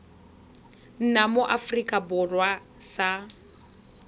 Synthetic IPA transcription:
n̩namoʔafrikʼabʊrwa | sa

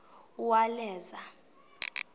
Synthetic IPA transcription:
uwalɛːza

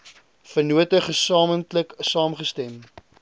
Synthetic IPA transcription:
fərnuətəχəsɑːməntləksɑːmχəstɛm

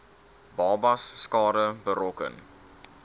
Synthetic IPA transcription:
bɑːbɐsːkɑːɾəbəɾɔkə̰n

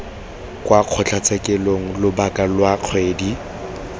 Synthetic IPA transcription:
kʼwaq͡χʰɔt͡ɬʰat͡sʼɛkʼɛloŋ̩lʊbakʼalwaq͡χʰweːdi

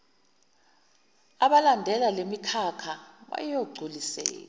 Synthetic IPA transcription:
aɓalandʱɛlalemikʰakʰaɓa̰jjoɡ͡ǀʱulisɛ̰ːka

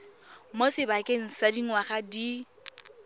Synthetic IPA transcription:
mosɪbakʼeŋ̩sadiŋwaχadi

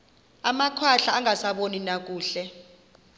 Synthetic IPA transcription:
amakʰwaɬaːŋasaɓoninak̬ʼuːɬɛ

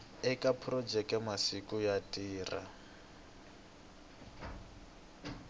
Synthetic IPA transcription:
ɛkʼapʰrɔd͡ʒɛkʼɛmasikujatʼiːra̰

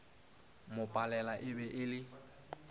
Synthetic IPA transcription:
mʊpʼalɛlaʔɪbɛʔɪlɪ

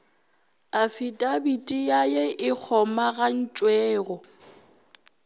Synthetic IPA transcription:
afitʼabitʼijajɛʔɪk͡xʰɔmaɣan̩t͡ʃʼwɛːɣɔ

